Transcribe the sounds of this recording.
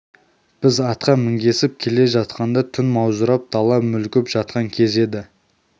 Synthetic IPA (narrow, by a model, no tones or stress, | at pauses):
b̥ɪzɑt̪qɑmɪŋɡʲe̞sɪp̚kʲʰe̞le̞ʒɑt̪̚qɑnd̪ɑt̪ʰʏnmɑwzəɾɑp̚d̪̥ʰɑlˠɑmʏlkʲɪpʒ̥ɑt̪̚qɑŋkʲʰe̞ze̞d̪ɪ